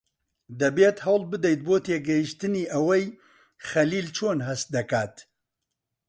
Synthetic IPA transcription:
d̪ɐbeːt̪hɐwlbɨd̪ɛjt̪̚boːt̪ʰeːɡɛjiʃt̪ɨniːʔɐwɛj | xɐliːlt͡ʃʰoːnɦɐst̪̚d̪ɐkaːt̪

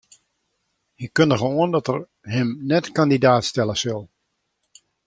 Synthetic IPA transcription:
jəkːøndəɣəoəndɔtər | ɦɪmnɛtkandidaːtstɛləsəlˠ

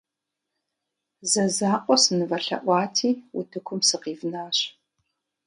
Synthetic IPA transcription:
zɐzaːqʷʼɔsɨnɨvɐɬɐ̰ʔʷɑːtʰiːwʊ̰tʰɨkʷʰʊmsɨqiːvnaːɕ

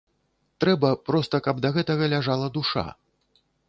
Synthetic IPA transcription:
t̪ɾɛbɐpɾɔst̪ɐkab̚d̪ɐɣɛt̪ɐɣɐlʲaʐalˠɐd̪uʂa̰

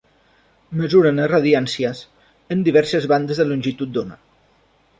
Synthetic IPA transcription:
məzuɾənəraðiansiəs | ənd̪iβ̞ɛɾsəzβand̪əzðəlunʲʒit̪ut̪̚d̪onə̰

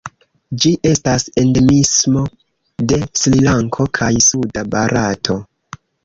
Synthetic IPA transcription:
d͡ʒiʔe̞stase̞nde̞mismo̞ | de̞slilaŋkʰo̞kʰajsudabaɾʔatʰo̞

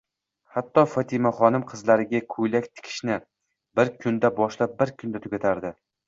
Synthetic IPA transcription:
hat̪ːɒfɒt̪ʰɪmaχɒnɪmqʰɨzlaɾɪɡʲakʰʊjlakʲt̪ʰɪ̥kʲʰɪ̥ʃnɪ | bɪɾkʰʊnd̪abɒʃlap̚bɪɾkʰʊnd̪at̪ʰʊɡʲat̪ʰaɾd̪ɪ

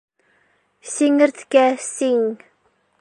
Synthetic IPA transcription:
siŋəɾθkæsiŋ

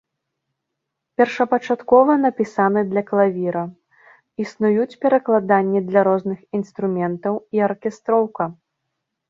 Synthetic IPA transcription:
pʲɛrʂɐpɐt͡ʂat̪kɔvɐnɐpʲisanɨd̪lʲɐklˠavʲiɾɐ | isnujut͡sʲpʲɛɾɐklˠad̪anʲːid̪lʲɐɾɔznɨxinst̪ɾumʲɛnt̪ɐwiɐrkʲɛst̪ɾɔwkɐ

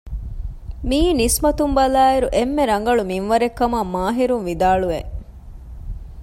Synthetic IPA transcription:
miːnismɐt̪umbɐlaːiɾuʔemːeɾɐŋ̆ɡɐɭuminʋɐɾekːɐmɐmaːɦiɾunʋid̪aːɭuʋe

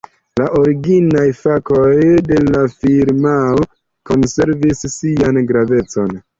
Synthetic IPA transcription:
laʔo̞ɾiɡinajfako̞jde̞lafiɾmao | ko̞nse̞ɾvisːianɡɾave̞t͡so̞n

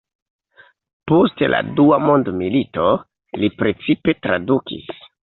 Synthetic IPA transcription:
postelʔa̰duamo̞ndmilito̞ | lipɾe̞t͡sipe̞tɾadukḭs

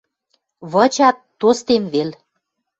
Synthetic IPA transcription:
βə̆t͡ɕɑt̪ːost̪emβel

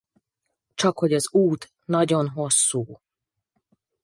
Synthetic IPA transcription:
t͡ʃɒkho̞ɟɒzuːt̪ | nɒɟo̞nɦo̞sːuː

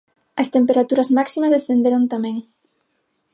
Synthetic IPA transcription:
ɐst̪empeɾat̪uɾɐzmaksimɐzðesθend̪eɾont̪amɛ̃ŋ

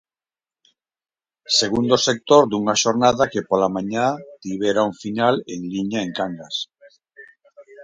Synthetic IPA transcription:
seɣund̪osek̚t̪oɾd̪uŋaʃoɾnaðakepolamãɲat̪iβeɾauɱfinaleŋliɲaeŋkaŋɡas

